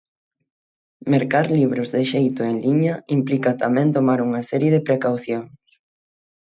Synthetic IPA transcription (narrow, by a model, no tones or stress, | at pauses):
meɾkaɾliβ̞ɾʊzðɪʃejt̪ʊeŋliɲɐimplikɐt̪amɛ̃nt̪omaɾuŋɐsɛɾjeðɪpɾekawθjoŋs